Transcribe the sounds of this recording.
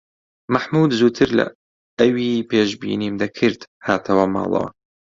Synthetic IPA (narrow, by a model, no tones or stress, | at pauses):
maħmuːd̪zuːt̪ʰɨɾlɐ̰ | ɐwiːpeːʃbḭːniːmd̪ɐkʰɨɾd̪haːt̪ʰɐwɐmɑ̰ːlˠɐ̰wɐ̰